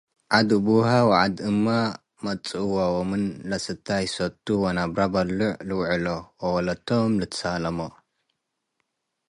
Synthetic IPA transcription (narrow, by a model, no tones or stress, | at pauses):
ʕad̪ubuhawaʕad̪ɨmːa | mɐt͡sʼwawomɨnlɐsɨt̪ʰːajsɐt̪ʰʼːuwonabɾabɐlːuʕlɨwʕɨlowɐwɐlɐt̪ʰːomlɨt̪ʰɨ̥salɐmo